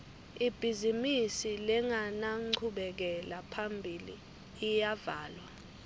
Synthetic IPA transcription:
ib̥ʱizimisilɛŋanaŋ͡ǃǃʰuɓɛk̬ɛlapʰambʱiliː | javaːlwa

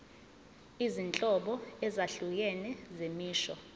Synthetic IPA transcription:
izint͡ɬʼɔɓɔɛzaɬuk̬ɛnɛzemiːʃɔ̰

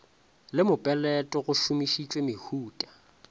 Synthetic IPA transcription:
lɪmʊpʼɛlɛtʼɔɣʊʃumiʃit͡ʃʼwemɪhuːtʼḁ

